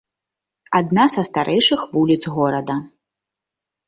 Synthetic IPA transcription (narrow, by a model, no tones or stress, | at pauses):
ad̪̚nasɐst̪aɾʔɛjʂɨxvulʲit̪zɣɔɾɐd̪ɐ